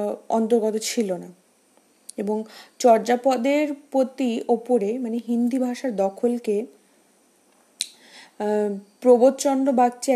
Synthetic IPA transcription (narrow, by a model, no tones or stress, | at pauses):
ɔnt̪oɾɡɔt̪ot͡ɕʰilona | eboŋt͡ɕɔɾd͡ʑapɔd̪eɾpɾot̪iopoɾemaneɦind̪ibʱaʃaɾd̪ɔkʰolke | pɾobot̪t͡ɕɔnɖobaɡ̚t͡ɕʰe